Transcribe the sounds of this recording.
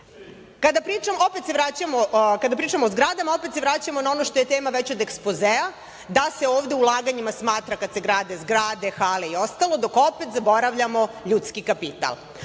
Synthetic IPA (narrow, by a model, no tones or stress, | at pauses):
kad̪apɾiːt͡ʂamoo̞pet̪seʋɾat͡ɕamokad̪apɾiːʈ͡ʂamoːzɡɾad̪amao̞pet̪sevɾat͡ɕamo̞nao̞no̞ʃt̪o̞je̞t̪eːmaʋet͡ɕod̪ekspozea | d̪ase̞oːʋd̪e̞ulˠaːɡaɲimasmaːt̪ɾakad̪se̞ɡɾaːd̪e̞zɡɾaːd̪e̞xaːleio̞st̪alˠo̞d̪o̞ko̞pet̪zabo̞ɾaʋʎamo̞ʎuːt̪skikapit̪a̰lˠ